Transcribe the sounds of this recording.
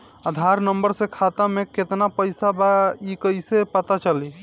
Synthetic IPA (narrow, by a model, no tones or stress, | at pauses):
əd̪ʱaɾnəmbəɾsẽkʰat̪ameket̪napəjsabaikəjsepət̪at͡ʃəli